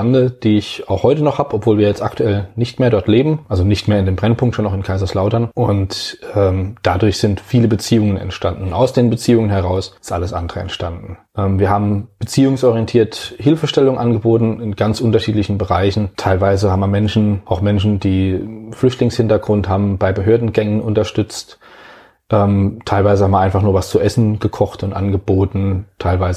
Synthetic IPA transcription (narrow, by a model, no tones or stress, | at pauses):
andəd̥iːɪçaʊxhɔʏtənɔχhaːbəɔpv̥oːlviːɐjɛt͡stʔa̰ktʰuɛlnɪçtmeːɐɾɔɐtleːbm̩ʔalzonɪçtmeːɐɪndeːmbʁɛnpʰʊŋktʃoːnaʊxɪnkʰaɪzɐslaʊtɐnʔʊntɛːmd̥adʊɐçz̥ɪntfiːləbət͡siːʊŋənɛ̰ntʃtandn̩a̰ʊsd̥eːnbət͡siːʊŋənɦɛʁaʊsɪstʔa̰ləsʔa̰ndəʁəɛ̰ntʃtandn̩ʔɛːmviːɐhaːbm̩b̥ət͡siːʊŋsʔɔʁijɛntʰiːɐthɪlfəʃtɛlʊŋʔanɡəboːtn̩ɪnɡ̥ant͡sʔʊntɐʃiːtlɪçn̩bəʁaɪçn̩tʰaɪlvaɪzəhaːbm̩viːɐmɛnʃn̩ʔaʊxmɛnʃ̬n̩d̥iːflʏçtlɪŋshɪntɐɡʁʊnthaːbm̩baɪbəɦøːɐdn̩ɡɛŋənʔʊntɐʃtʏt͡st | ʔɛːmtʰaɪlvaɪzəhamːʔaɪnfaχnuːɐvast͡suʔɛsn̩ɡ̥əkʰɔχtʊntʔanɡəboːtn̩tʰaɪlvaɪzə